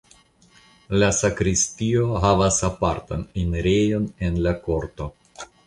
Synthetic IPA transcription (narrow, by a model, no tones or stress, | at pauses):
lasakɾistio̞ɦavasapaɾtanineɾejo̞ne̞nlako̞ɾto̞